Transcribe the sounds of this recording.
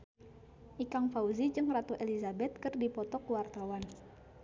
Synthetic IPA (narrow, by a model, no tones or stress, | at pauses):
ʔikaŋfauzid͡ʒɨŋrat̪uʔelizabɛt̪̚kɨrdipɔt̪ɔkuwart̪awan